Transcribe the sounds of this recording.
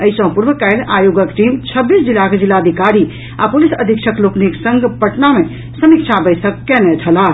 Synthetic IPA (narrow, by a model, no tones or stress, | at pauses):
əisə̃puɾbəkajɾʔajoɡəkʈimt͡ʃʰəbːisd͡ʒilaked͡ʒilːaəd̪ʱikaɾi | apolisəd̪ʱikt͡ʃʰəklokniksəŋɡpəʈname | səmikt͡ʃʰabəsəkːɛnɛt͡ʃʰəla